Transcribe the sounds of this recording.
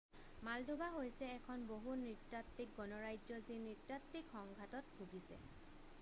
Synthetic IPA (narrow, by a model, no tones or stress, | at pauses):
maldʱubaɦojsɛːkʰɔnboɦunitɹatːik̚ɡɔnɔɹajd͡ʒɔzinitɹatːikxɔŋɡʱatɔt̚bʱuɡisɛ̰